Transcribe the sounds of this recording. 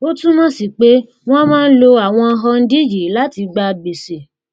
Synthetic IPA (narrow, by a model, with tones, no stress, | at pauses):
o˦tũ˦mã˦si˨k͡pe˨˦ | w̃ɔ̃˦mãː˦n̩˦lo˧a˨w̃ɔ̃˧ɦɔ˧n̩˦di˦d͡ʒi˨˦la˦ti˧ɡ͡ba˧be˨se˨